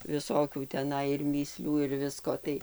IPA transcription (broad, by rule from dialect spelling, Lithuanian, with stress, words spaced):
ʋʲɪˈsoːkʲuː tʲɛˈnɐɪ ɪr mʲiːˈsʲlʲuː ɪr ˈʋʲɪskoː tɐɪ